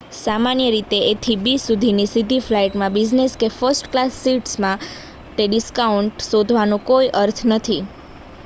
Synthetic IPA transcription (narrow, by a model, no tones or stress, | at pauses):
samanjəɾit̪eːt̪ʰibisud̪ʱinisid̪ʱiflaiʈmãbid͡ʒneskefəɾsʈklasːiʈsmã | ʈeɖiskauɳʈsod̪ʱʋanũkoiʔəɾt̪ʰnət̪ʰi